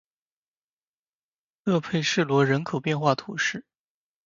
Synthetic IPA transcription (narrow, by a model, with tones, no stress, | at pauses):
lɤ˥˧pʰe˥˧ɪʂɻ̩˥˩lwɔ˧˥ɻə˧˥nkʰo˨˩ʊpjɛ˥˧nxwa˥˩t̪ʰu˨˧˩ʂɻ̩˥˩